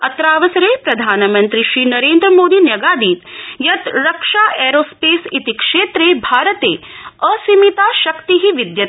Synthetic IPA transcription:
ɐt̪ɾaːʋɐsɐɾeːpɾɐd̪ʱaːnmɐnt̪ɾiʃɾiːnɐɾeːnd̪ɾəmoːd̪iːnjɐɡaːd̪iːt̪jɐt̪ɾɐkʂaːʔeːɾoːspeːsit̪ikʂeːt̪ɾeːbʱaːɾət̪ḛːəsimit̪aːʃɐkt̪iɦiʋid̪jɐt̪

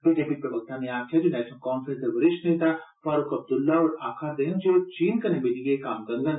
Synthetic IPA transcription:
biːd͡ʒeːpipɾɐbək̚t̪ʰanẽaːk̪ʰɛd͡ʒoːnɛːʃnəlkɔːnfɾə̃nsɐʋɐɾɪʃʈnẽĩt̪ʰa | faːɾʊkɐb̚d̪ʊlːaɔːɾa̰ːkʰad̪eːnd͡ʒoːt͡ʃiːnkɐnebed̪ikekaːmɡɐ̃ŋɡən

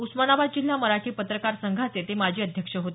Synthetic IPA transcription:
usmanabad̪̚d͡ʑil̤ːaməɾaʈʰiːpət̪ɾəkaɾsəŋɡʱat͡set̪emad͡ʑʱiːəd̪ʱjəkʂəɦot̪i

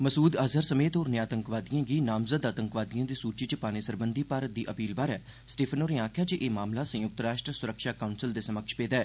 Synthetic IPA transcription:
məsuːd̪aːzəɾsəmeːt̪ɦoːɾneaːt̪əŋkʋaːd̪ijãːɡiːnaːmzəd̪aːt̪əŋkʋaːd̪ijãːd̪iːsuːɾt͡ʃiːt͡ʃəpaːñeːsəɾbənd̪iːpaːɾət̪̚d̪iːʔəpiːlbaːɾɛː | sʈeːpʰənoːɾẽːaːkʰjaːd͡ʒeːʔeːmaːmlaːsə̃jʊk̚t̪ɾaːʃʈɾəsʊɾəkʃaːkaːʊnsɪld̪eːsəməkʃpeːd̪ɛː

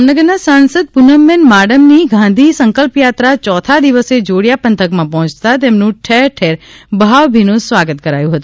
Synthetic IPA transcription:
mnəɡəɾnasansəd̪̚punəmːenmaɽəmniɡʱãnd̪ʱisəŋkəlpjat̪ɾat͡ʃɔt̪ʰad̪iʋəsed͡ʒoɽjapənt̪ʰəkmãpɔɦɔ̃t͡ʃt̪at̪emnũʈʰeɾʈʰeɾbʱaʋbʱinũsʋaɡət̪kəɾajũɦət̪u

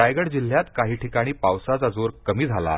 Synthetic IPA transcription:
ajɡəɽd͡ʑil̤ːjat̪kaɦiːʈʰikaɽ̃iːpawsat͡sad͡zoɾkəmiːd͡zʱala̰

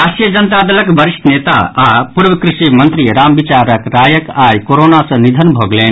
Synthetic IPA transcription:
aːʃjɐd͡ʒɐnt̪aːd̪ɐlɐkʋɐɾiʂʈneːt̪a̰ːaːpuɾʋɐkɾiʃimɐnt̪ɾiɾaːmʋit͡ʃaːɾɐkɾaːjɐkaːjkoɾoːnaːsɐnid̪ʱɐnbʱoːɡleːn

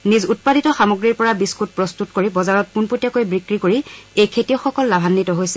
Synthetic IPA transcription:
nizut̚paditɔxamoɡɹiɹpɔɹabiskut̚pɹɔstutkoɹibɔzaɹɔt̚punpotijakojbɹikɹikoɹiejkʰetijɔxɔkɔlːabʱanːitɔɦojsɛ

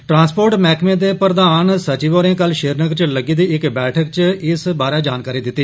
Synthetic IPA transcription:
ʈɾãːnspoːɾʈmɛːkmẽːd̪eːpəɾd̪aːnsət͡ʃiːʋoːɾẽːkəlʃeːɾnəɡɾt͡ʃləɡiːd̪iːɪkbɛːʈʰək̚t͡ʃɪsbaːɾaːd͡ʒaːnkaːɾiːd̪ɪt̪ːiː

